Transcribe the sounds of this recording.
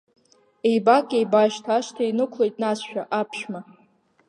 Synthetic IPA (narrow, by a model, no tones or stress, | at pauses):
ejbakʼejbaʃtʰaʃtʰainɨkʷʰle̞jtʼnasʃᶣaʔapʰʃᶣma